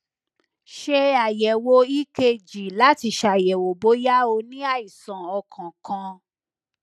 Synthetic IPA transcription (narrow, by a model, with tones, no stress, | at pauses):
ʃe˧a˨jɛ˨wo˧i˦ke˧d͡ʒi˨la˨˦ti˧˦ʃa˨jɛ˨wo˨bo˨˦ja˦o˧nĩ˦a˦˨i˨sã˨ɔ˧kʰã˨kã˧